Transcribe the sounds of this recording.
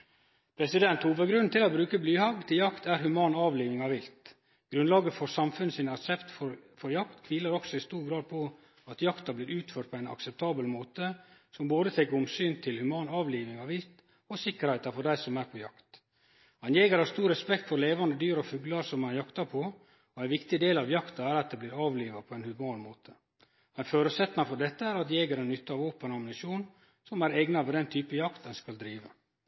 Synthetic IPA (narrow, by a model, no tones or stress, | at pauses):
pʰɾɛsɪd̪ɛnt̪huːʋəɡɾʉnnt̪ʰɪlɔbɾʉːkəblyːhɑɡt̪ʰɪljɑkt̪æɾhʉmɑːnɑːʋliːʋɪŋɑʋɪlt̪ | ɡ̥ɾʉnlɑːɡəfɔɾsɑmfʉnəsɪnɑksɛpt̪fɔɾfɔɾjɑkt̪kʰʋiːləɾɔksɔɪst̪uːɾɡɾɑːd̪̚pʰɔ | ɑt̪jɑkt̪ɑblɪɾʉːt̪føːʈ̚pʰɔæɪnɑ̰ksɛp̚t̪ʰɑːbəlmoːt̪əsɔmboːd̪ət̪ʰɛkəɾʊmsyːnt̪ʰɪlhʉmɑːnɑːʋliːʋɪŋɑʋɪlt̪ | ɔsɪkːəɾhæɪt̪ɑfɔɖæɪsɔmæɾpʰɔjɑkt̪ | ɑnjeːɡəɾhɑst̪uːɾːɛspɛkt̪fɔɾleːʋɑnd̪əd̪yːɾɔfʉɡlɑɾsɔmɑnjɑkt̪ɑpʰɔ | ɔæɪnʋɪkt̪ɪd̪eːlɑʋjɑkt̪ɑæɾɑt̪̚d̪ɛːbliːɾɑːʋliːʋɑpʰɔɛɪnhʉmɑːnmoːt̪ʰə̥ | mɛnføːɾʉsɛt̪ːnɑfɔɖɛt̪ːəæɾɑt̪jeːɡəɾɛnnːʏt̪ːəɑːʋoːpənɑmnɪsjuːn | sɔmæɾɛɡnɑʋɛd̪ɛnt̪ʰyːpəjɑkt̪dɛnskɑld̪ɾiːʋə